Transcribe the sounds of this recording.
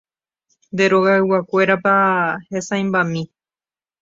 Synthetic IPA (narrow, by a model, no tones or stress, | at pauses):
nd̪e̞ɾoɣaɨwakʷe̞ɾapahesaj̃mbamĩ